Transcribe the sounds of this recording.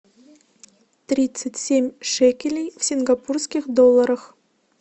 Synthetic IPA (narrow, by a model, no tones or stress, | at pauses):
t̪ɾʲit̪sɨtʲsʲemʲʂekʲelʲejfsʲinɡapurskʲixd̪olˠːɐɾəx